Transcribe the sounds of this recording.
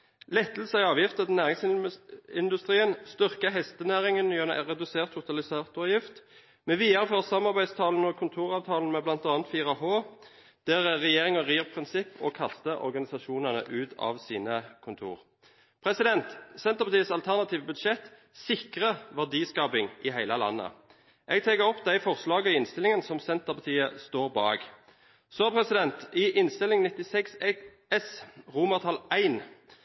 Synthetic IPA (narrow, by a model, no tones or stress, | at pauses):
lɛt̪ːl̩səɪɑːʋjɪft̪ət̪næːʁɪŋs | ɪnd̪ʉst̪ʁiːənst̪ʏʁkəɦɛst̪ənæːʁɪŋənjøn̰ʁɛd̪ʉseːʁt̪ʰːʊt̪ɑlɪseːʁt̪ɔʋjɪft̪ | mɛʋiːɑʁəføːʁsɑmːɑʁbæɪst̪ʰɑːln̩əɔkʰʊnt̪ʰuːʁɑːʋt̪ʰɑːln̩mɛblɑnt̪ɑːnət̪fiːʁɑhoː | d̪̥æʁɛʁɛjeːʁɪŋəʁiːʁpʰʁɪnsɪpːɔ̰kʰɑst̪əʔɔ̰ʁɡɑnɪsɑʃuːnɑnə̰ʔʉːt̪ʰɑ̰ːʋsiːnəkʰʊnt̪ʰṵːʁ | pʰʁɛsɪd̪ɛnt̪sɛnt̪əʁpɑt̪iːəsɑlt̪ʰæʁnɑt̪ʰiːʋəbʉd̪ʃɛt̪ | sɪkʁəʋæʁd̪iːskɑːpɪŋʔɪɦæɪləlɑ̰nːə̰ | ʔɛɡ̚t̪ʰɛːkəʁɔpːd̪æɪfɔʁslɑːɡəɪnst̪ɪlɪŋənsɔmsɛnt̪əpɑt̪ʰiːəst̪oːʁbɑ̰ːɡ | soːpʰʁɛsɪd̪ɛnt̪ɪʔɪnst̪ɪlɪŋnɪt̪ɪsɛksɛ | ɛsʁuːməʁt̪ʰɑlæɪn